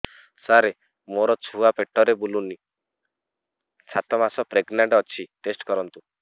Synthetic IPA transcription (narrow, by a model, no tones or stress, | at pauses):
saɾe | moɾɔt͡ʃʰuapeʈːɔɾebuluni | sat̪ɔmasɔpɾeɡnaɳʈɔt͡ʃʰiʈesʈkɔɾɔnt̪u